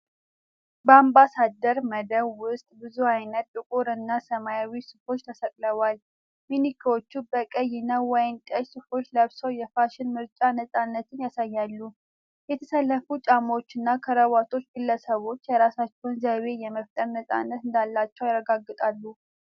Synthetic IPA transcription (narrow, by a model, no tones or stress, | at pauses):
bəambasad̪əɾməd̪əβwʊst̪ʼbɨzuhajnət̪ːʼɨkʼuɾɨnːasəmajawisɨfo̞t͡ʃːt̪ʰəsəkʼləβal | minikʰiwo̞t͡ʃːubəkʼəjɪnəwɔjnt̪ʼəjsɨfo̞t͡ʃːləβsowjɛfaʃɪnmɨɾt͡ʃʼanəsʼanːət̪ʰɨnjasajːalːu | jɛt̪ʰəsəlːəfut͡ʃʼamot͡ʃːɨnːakʰəɾəβat̪ʰo̞t͡ʃːɡɨlːəsəβo̞t͡ʃːjɛɾasat͡ʃːɛwnzəβe̞jɛməft̪ʼəɾnəsʼa̰nːət̪ɨnd̪alːat͡ʃːɛwjarːəɡaɡːɨt̪ʼalːu